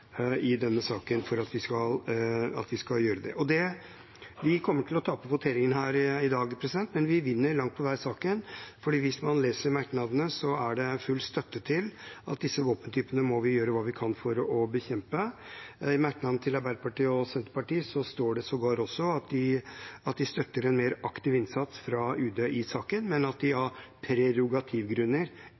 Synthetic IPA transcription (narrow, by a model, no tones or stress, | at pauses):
ɪd̪ɛnːəsɑːkənfɔɾɑt̪ʋɪskɑlɑ̰t̪ʋɪskɑljøːɾəd̪ɛ̰ʔɔd̪ɛ | ʋɪkʰɔmːəʈʰɪlɔt̪ʰɑːpəʋʊt̪ʰeːɾɪŋənɦæːɾɪd̪ɑːɡpʰɾɛsɪd̪ɛnt̪mɛnʋɪʋɪnːəɾɭɑŋt̪pʰɔʋæɪsɑːkənfɔɖiːʋɪsmɑnleːsəɾmæɾknɑd̪ənəsɔæɖɛfʉlst̪œt̪ːət̪ʰɪlɑt̪̚d̪ɪsːəʋoːpənt̪ʰyːpənəmɔʋɪjøːɾəʋɑːʋɪkʰɑnfɔɾɔbəçɛmpə | ɪmæɾknɑd̪nət̪ʰɪlɑɾbæɪlpʰɑʈiːɔsɛnt̪əɾpɑʈiːsɔst̪oːɖɛsɔɡɑːɾɔsːɔɑt̪d̪ɪɑt̪̚d̪ɪst̪œt̪ːəɾɛnmeːɾɑkt̪ɪʋɪnsɑt̪sfɾɑʉːd̪eʔɪsɑːkənmɛnɑt̪̚d̪ɪɑɾpʰɾɛɾʊɡɑt̪ʰɪʋɡɾʉnːəɾ